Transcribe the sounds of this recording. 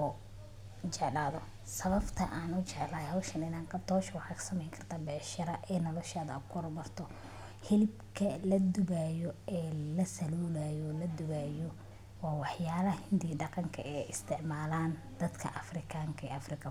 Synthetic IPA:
ɔ | t͡ʃɛʕlaːðɔ | sɐβɐbt̪ʰɐ̰ʔaːnʊt͡ʃɛʕlaːhɔwʃɐnɪnaːŋkʰɐt̪ʰɔːʃɐwɑħɑːksɐmɛjŋkʰɐrt̪ʰaːbɛːʃɪɾɐʔɛːnɔlɐʃaːðɐkʰʊɾbɐrt̪ʰɔ | hɪlɪbkʰɐlɐd̪ʊɣaːjɔɛːlɐsɐluːlaːjɔlɐd̪ʊɣaːjɔ | wɑːwɑħjaːlɐhɐhɪnd̪iːɖɑqɑŋkʰɐ̰ɛːɪst̪ʰɪʕmaːlaːn | d̪ɐd̪kʰɐ̰ʔɐfrɪkʰaːŋkʰɐɛːɐfrɪkʰɐ

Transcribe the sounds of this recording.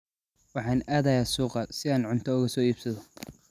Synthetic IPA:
wɑħɑːnaːðɐjaːsuːqɑsɪaːnʕʊnt̪ʰɔʊɣɐsɔːiːbsɐðɔ

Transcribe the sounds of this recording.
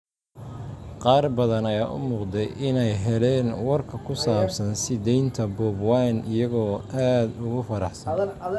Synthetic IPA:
qɑːrbɐðɐnɐjaːʔʊ̰muːqd̪ɛjʔɪnɛjɦɛlɛːnwɐrkʰɐkʰʊsaːbsɐnsɪd̪ɛjnt̪ʰɐbɔːbwɑnɪjɐɣɔːaːd̪ʊɣʊfɐɾɑħsɐ

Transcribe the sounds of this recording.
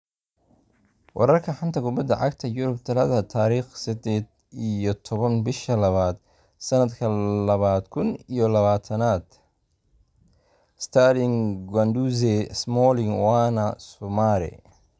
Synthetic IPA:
wɑ̰ɾɐrkʰɐħant̪ʰɐkʰʊbɐd̪ɐʕɑɡt̪ʰɐjʊɾʊb̚t̪ʰɐlɐðɐt̪ʰaːɾiːχsɐd̪ɛːd̪ | ijɔt̪ʰɔβɐnbɪʃɐlɐβaːd̪ | sɐnɐd̪kʰɐlɐβaːd̪kʰʊnijɔlɐβaːt̪ʰɐnaːd̪̥ | st̪ʰalɪŋɡwand̪uzɛsmɔːlɪŋwɑːnɐsɔmaːɾɪ̰

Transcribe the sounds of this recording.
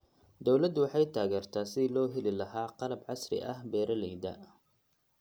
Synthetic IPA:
d̪ɔwlɐd̪wɑħɑjt̪ʰaːɣɛːrt̪ʰaːsɪlɔːɦɛlɪlɐɦaːqɑlɐbʕɑsrɪ̰ʔɐhbɛːɾɐlɛjd̪ɐ̰

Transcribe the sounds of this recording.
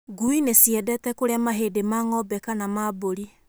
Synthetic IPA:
ɡuinesiɛdɛtɛkoɾeamaɦedemaːŋɔbɛkanamaboɾi

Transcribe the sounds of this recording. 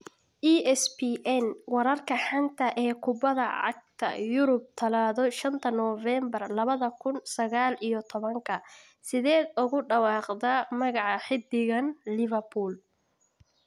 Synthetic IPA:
ʔiʔɛspiʔɛnwɑɾɐrkʰɐħant̪ʰɐʔɛːkʰʊbɐðɐʕɑ̰ɡ̚t̪ʰɐ̰jʊɾʊb̚t̪ʰɐlaːðɔʃɐnt̪ʰɐnɔːvɛːmbɐrlɐβɐðɐkʰʊnsɐɣaːlijɔt̪ʰɔβɐŋkʰɐ | sɪðɛːd̪ʊɣʊɖɑwɑːqd̪ɐmɐɣɑʕɑħɪd̪ɪɣɐnlɪvɐrpʰuːl

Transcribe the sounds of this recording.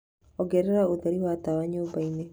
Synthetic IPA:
ɔɡeɾeɾaoðeɾiwat̪aβaɲobaine

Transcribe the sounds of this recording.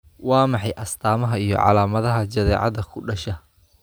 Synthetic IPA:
wɑːmɑħɑjʔɐst̪ʰaːmɐɦɐijɔ̰ʕɑ̰laːmɐðɐɦɐt͡ʃɐðɛːʕɑ̰ðɐkʰʊɖɐʃɐ

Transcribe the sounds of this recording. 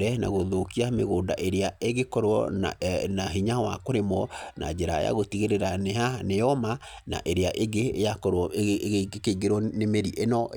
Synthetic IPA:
ɾɛna̰ɣoðokiameɣoːndaʔeɾeaeɣekɔɾɔ | naɦiɲawa̰koɾemɔna̰d͡ʒeɾa̰ja̰ɣotiɣeɾeɾanehanejɔmana̰ʔeɾeaʔeɡejakɔɾɔ | keiɡeɾwɔnemeɾiʔenɔ

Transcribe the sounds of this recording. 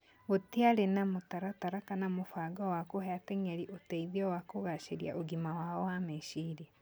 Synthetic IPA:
oteaɾenamotaɾataɾakanamofaɡɔwakoɦɛatɛŋɛɾiʔotɛiðiɔwakoɣaʃeɾja̰ʔoɡimawaɔwameʃiɾe

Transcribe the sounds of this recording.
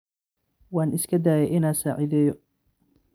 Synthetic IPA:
wɑːnɪskʰɐd̪aːjɛʔɪnaːsaːʕɪðɛːjɔ

